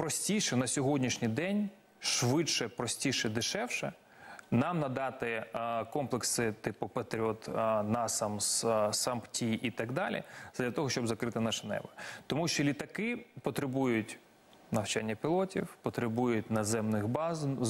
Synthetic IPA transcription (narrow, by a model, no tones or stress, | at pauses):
pɾɔsʲtʲijʃɛnɐsʲɔɦɔdʲnʲiʃnʲijd̪ɛnʲ | ʃʋɪʃɛpɾɔsʲtʲiʃɛd̪ɪʃɛwʃɛ | nɑmnɐd̪ɑt̪ɪkɔmplˠeksɪt̪ɪpʊpet̪ɾʲɔt̪nɑsɐmssɐmptʲiʔit̪ɐɡd̪ɑlʲḭz̥ɐdlʲɐt̪ɔɦɔʃt͡ʃɔbzɐkɾɪt̪ɪnɑʃɛnɛ̰bɐt̪ɔmuʃt͡ʃɔlʲit̪ɐkɪpɔt̪ɾɪbujʊtʲ | nɐwt͡ʃanʲːɐpʲilˠɔtʲiwpɔt̪ɾɪbujʊtʲnɐzɛmnɪxbɑzn